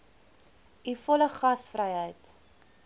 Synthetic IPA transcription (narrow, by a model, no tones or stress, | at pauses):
ifɔləχɐsfrəjɦəjt